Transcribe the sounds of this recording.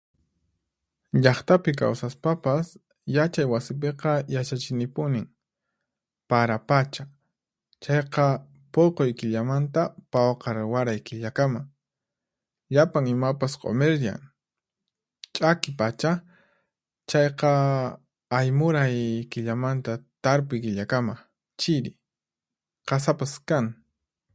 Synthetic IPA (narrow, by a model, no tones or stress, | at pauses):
ʎɑχt̪apɪk̬a̰wsaspapas | jat͡ʃajwasɪp̬eqɑjat͡ʃat͡ʃɪnɪpʊnɪŋ | paɾapat͡ʃa | t͡ʃɑjqɑ | poqojkɪʎamant̪apawqɑɾɪwaɾajkɪʎakama | ʎapaŋɪmapasqʰʼo̰meɾja̰ŋ | t͡ʃʼakɪpat͡ʃa | t͡ʃɑjqɑ | ajmʊɾajkɪʎamant̪at̪aɾp̬ʊjkɪʎakama | t͡ʃɪɾɪ̰ | qɑsapaskaŋ